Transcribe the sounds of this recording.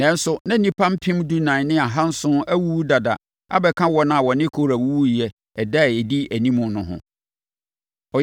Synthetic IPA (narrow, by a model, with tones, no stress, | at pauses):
nɛ̃˨n̩˦sʊ˨nã˦nĩ˦pʰã˦m˦pʰĩ˦mdu˦nãː˨nɪ̃˦a˨ɦã˦n̩˦sʊ̃˦æ˦wu˦u˦da˨da̰˨ | a̰˦bɛ˨kʰã˦wɔ˦nã˦a˨wɔ˨nɪ̃˦kʰo˦˨ɾæ˨wu˦u˦i˨ɛ˨ | ɛ˨da˦˨ɛ˨di˦æ˨nĩ˦mʊ̃˨nʊ̃˨ɦʊ̰̃˨ | ɔ˨